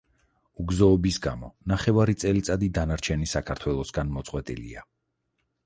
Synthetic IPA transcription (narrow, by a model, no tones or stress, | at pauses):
uɡzɔːbisɡamɔnaχɛvaɾit̪sʼɛlit̪sʼad̪id̪anaɾt͡ʃʰɛnisakʰaɾt̪ʰwɛlˠɔsɡanmɔt̪sʼqʼwɛt̪ʼḭlḭa